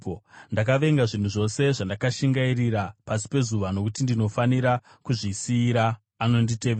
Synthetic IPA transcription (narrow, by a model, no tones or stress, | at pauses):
ndakaʋe̞ŋɡaʐin̤uʐo̞se̞ʐandakaʃiŋɡairiɾapasi̥pe̞zuʋano̞kutindino̞faniɾa | kuʐisiːɾaː | no̞nditeʋe